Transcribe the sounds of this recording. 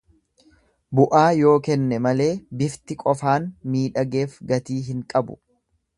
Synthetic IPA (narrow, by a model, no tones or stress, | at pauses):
bʊʔaːjo̞ːkɛnːɛmɐle̞ːbɪft̪ɪkʼɔfaːnmiːᶑɐɡe̞ːfɡɐt̪iːɦɪŋkʼɐbʊ̰